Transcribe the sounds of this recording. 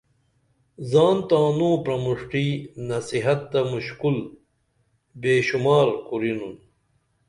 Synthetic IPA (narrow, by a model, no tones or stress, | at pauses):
zaːnt̪aːnõːpɾɐmuʂʈiːnɐsiɦɐt̪ːɐmuɕkul | beːɕumaːɾkuɾinun